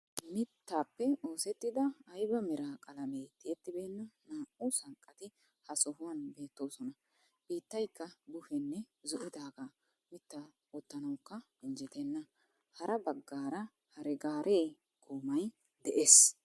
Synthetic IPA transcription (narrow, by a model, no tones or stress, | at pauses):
mɪt̪ːaːpːɛoːsɛt̪ːɪd̪ɐːjbɐmɛɾaːkʼɐlɐmejt̪ɪjɛt̪ːɪbeːnːɐnaːʔʊsɐŋkʼːɐt̪ɪ | hɐsɔɦʊwɐnbe̞ːt̪ːo̞ːsɔnɐ | b̥iːt̪ːɐjkːɐbʊfɛnːɛ | zɔʔɪd̪aːɡaː | mɪt̪ːɐ | ɔt̪ːɐnɐwkːɐ | ɪnd͡ʒɪt̪ɛnːɐ | hɐɾɐbɐɡːaːɾɐ | hɐɾɛɡaːɾʔeː | kuːmɐj | d̪ɛʔeːs